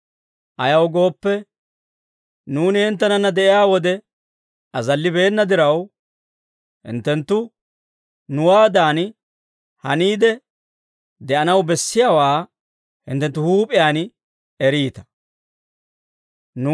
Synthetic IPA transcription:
ʔɐjɐwɡo̞ːpːɛ | nuːnɪhɪnt̪ːɛnɐnːɐd̪ɛʔɪjaːwɔd̪ɛ | ɐzɐlːɪbe̞ːnːɐd̪ɪɾɐw | hɪ̰nt̪ːɛnt̪ːʊ | nʊwaːd̪aːn | hɐniːd̪ɛ | d̪ɛʔɐnɐwbɛsːɪjaːwaː | hɪ̰nt̪ːɛnt̪ːʊhuːpʼɪjaːn | ɛɾiːt̪ɐ̥ | n

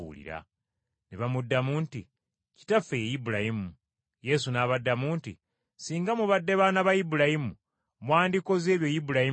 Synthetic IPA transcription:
ṵlḭɾa̰ | neβamudːamunti | ci̥tafejejibuɾahimu | je̞sunaːβadːamuntḭ | siːŋɡamuβadːe̞βaːnaβajibuɾahimu | mwaːndiko̞ze̞ːβjo̞jibuɾahi

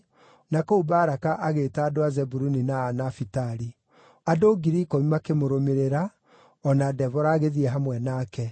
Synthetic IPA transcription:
nakoubaːɾakaʔaɣetaːdoazɛbuɾuninaːnafitaɾi | adoɡiɾikɔimakemoɾomeɾeɾa | ɔnadɛvɔɾaːɣeðiɛɦamwɛnaːkɛ

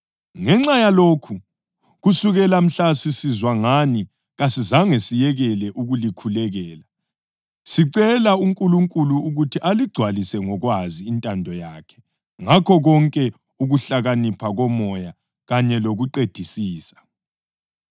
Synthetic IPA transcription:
ŋɛŋ͡ǁajaloːkʰu | ɣusuɣɛlam̩ɬasisizwaŋani | ɣasizaŋesijɛɣɛlɛʔuɣulikʰulɛɣɛːla | siǀɛlauŋkʼuluŋkʼuluːɣutʰiʔaliɡ͡ǀʱwalisɛŋɔɣwaziːntʼandʱɔjaːkʰɛ̥ | ŋakʰɔɣɔŋkʼɛ | uɣuɬaɣanipʰaɣɔmɔja | ɣaɲɛloɣuǃed̥ʱisiːsḁ

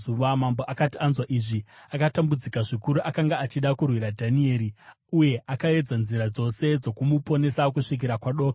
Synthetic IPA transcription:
uʋamambo̞ʔakatianzwaʔiʐiakatambud͡zikaʐikuɾuʔakaŋɡaːt͡ʃiɗakurwiɾadʱanie̞ːɾi | uje̞ʔakae̞d͡zanziɾad͡zo̞se̞d͡zo̞kumupo̞ne̞sak̬uʂik̬iɾakwaɗo̞ka

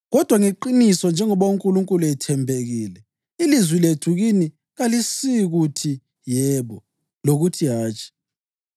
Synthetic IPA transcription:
ɣɔd̥ʱwaŋeǃinisɔnd͡ʒʱɛŋɔβoŋkʼuluŋkʼuluɛtʰɛmbʱeɣiːlɛ | ilizwiletʰuɣini | ɣalisiɣutʰi | jɛβɔ | loɣutʰiɦaːt͡ʃʰʼi̥

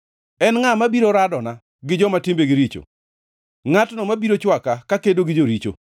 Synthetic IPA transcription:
ɛnŋamabiɾoɾadɔna | ɡɪd͡ʒɔmatɪmbeɡɪɾit͡ʃo̰ | ŋatnɔmabiɾot͡ʃwakakakedoɡɪd͡ʒoɾit͡ʃo̰

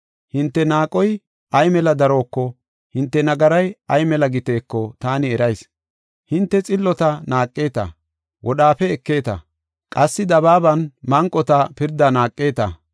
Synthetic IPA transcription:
hɪnt̪ːɛnaːkʼɔj | ɐjmɛlɐd̪ɐɾo̞ːkːɔ | hɪnt̪ːɛnɐɡɐɾɐjɐjmɛlɐɡɪt̪e̞ːkːɔt̪aːnɪɛɾɐjs | hɪnt̪ːɛt͡sʼɪlːɔt̪ɐnaːkʼːe̞ːt̪ɐ̰ | wʔɔɗaːfɛɛkːe̞ːt̪ɐ̰ | kʼɐsːɪd̪ɐbaːbɐnmɐŋkʼːɔt̪ɐpɪɾd̪ɐnaːkʼːe̞ːt̪ɐ̰

